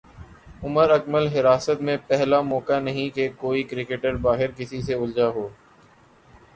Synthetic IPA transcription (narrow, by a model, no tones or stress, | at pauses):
ʊməɾəkməlɦɪɾaːsət̪mẽpɛɦlamɔːkanɐɦĩkekoːikɾɪkeʈəɾbaːɦɪɾkɪsiseʊld͡ʒaːɦoː